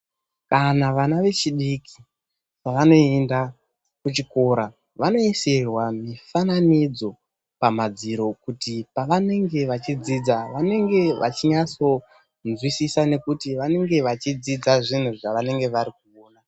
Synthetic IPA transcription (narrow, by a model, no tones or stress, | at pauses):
kanaʋanaʋe̞t͡ʃiɗikʰi̥ | paʋano̞enda | kut͡ʃiko̞ɾa | ʋano̞iserwamifananid͡zo̞ | pamad͡ziɾo̞kutipaʋane̞ŋɡe̞ʋat͡ʃid͡zid͡zaʋane̞ŋɡe̞ʋʔa̰t͡ʃiɲat͡so̞ | nzwisisane̞kutiʋane̞ŋɡe̞ʋat͡ʃid͡zid͡zaʐin̤uʐaʋane̞ŋɡe̞ʋaɾik̚uoːna